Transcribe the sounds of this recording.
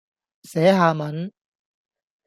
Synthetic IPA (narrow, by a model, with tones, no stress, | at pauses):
sɛː˨˥ɦaː˧mɐ˨˥n